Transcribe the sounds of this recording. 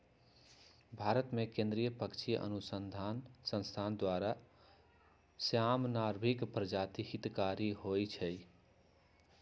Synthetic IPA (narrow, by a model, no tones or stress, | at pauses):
bʱaɾət̪mekẽnd̪ɾijəpəkt͡ʃʰiʔə̰nusənd̪ʱansə̃nst̪ʰand̪waɾa | sjamnaɾbʱikpɾəd͡ʒat̪ihit̪kaɾiɦojt͡ʃʰɛj